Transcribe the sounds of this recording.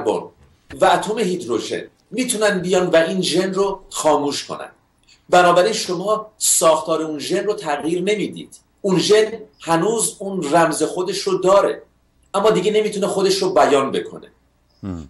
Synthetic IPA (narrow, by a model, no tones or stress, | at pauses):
bɔ̰ːn | væːt̪ʰome̞hiːd̪ɾoʒḛn | miːt̪ʰunænd̪̚bijɒːnvæʔiːnʒe̞nroxɒːmuːʃkʰo̞̰næ̰nd̪̥ | bænɒːbæɾiːnʃo̞mɒːsɒːxt̪ʰɒːɾeunʒe̞nrot̪ʰæɣjiːɾne̞miːd̪ḭːd̪̥ | unʒenhænuːzunræmze̞xo̞d̪e̞ʃɾod̪ɒːɾḛ | ʔæmːɒːd̪iɡe̞ne̞miːt̪ʰunexod̪e̞ʃɾobæjɒːnbe̞kʰo̞̰ne̞̰